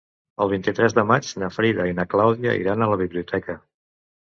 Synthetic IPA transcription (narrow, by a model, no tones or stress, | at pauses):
əlˠβ̞int̪it̪ɾɛzðəmad͡ʒnəfɾiðəinəklawðiə̰ḭɾanələβ̞iβliut̪ʰɛkə